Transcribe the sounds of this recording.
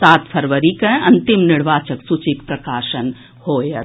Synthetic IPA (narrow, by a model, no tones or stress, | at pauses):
saːt̪pʰəɾʋəɾikə̃ɐnt̪imniɽʋaːt͡ʃəksut͡ʃik̚pɾɐkaːʃən | hoːjɐ